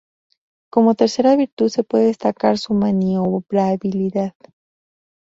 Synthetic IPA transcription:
ko̞mo̞t̪e̞ɾse̞ɾaβiɾt̪uðse̞pwe̞ðeðest̪akaɾsumãnioβɾaβiliðað

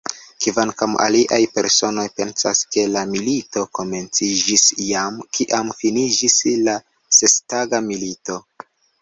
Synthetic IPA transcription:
kivankamʔa̰liʔajpe̞ɾso̞no̞jpe̞nsaske̞lamilito̞ko̞me̞nt͡sid͡ʒisjamkiʔamfinid͡ʒisla | se̞staɡamilito̞

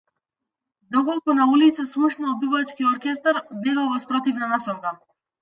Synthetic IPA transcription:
d̪ɔkɔlˠkunaulit̪sasmuʃnalbivat͡ʃkiɔɾkʲɛst̪aɾbɛɡalˠvɔspɾɔt̪ivnanasɔŋka

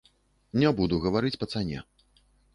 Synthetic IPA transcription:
nʲɛbud̪uɣɐvaɾɨt͡sʲpɐt̪sanʲɛ̰

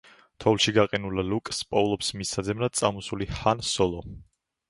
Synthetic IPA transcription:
t̪ʰɔvlˠʃiɡaqʼɛnulalukʼspʼɔlˠɔpsmisad̪zɛmnat̪sʼamusulihansɔlˠɔ

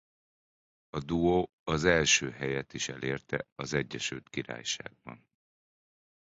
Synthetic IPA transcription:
ɒd̪uo | ɒzɛlʃøːɦɛjɛt̪iʃɛleːrt̪ɛ̰ɒzɛɟːɛʃylt̪kiɾa̰ːjʃa̰ːɡ̚bɒ̰n

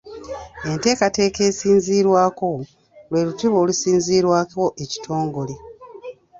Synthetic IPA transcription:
e̞nte̞ːkate̞ːke̞ːsiːnziːɾwaːko̞ | lwe̞ːlutiβoːlusiːnziːɾwaːko̞ʔeci̥tʰo̞ːŋɡo̞le

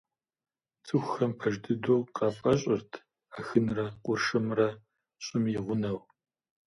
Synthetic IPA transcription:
t͡sʼɨxʷxɐmpʰɐʒdɨdoːqʼɑːpʼɐɕʼɪrtʰ | aːxɨnrɐqʷʼʊrʂɨmrɐ | ɕʼɪmjɪʁʷʊnɐw

